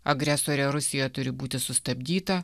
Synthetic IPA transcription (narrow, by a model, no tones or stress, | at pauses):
ɐɡɾʲɛsoːɾʲɛɾʊsʲɪjɛt̪ʊɾʲɪbuːt̪ʲɪsʊst̪ɐbʲd̪ʲiːt̪ɐ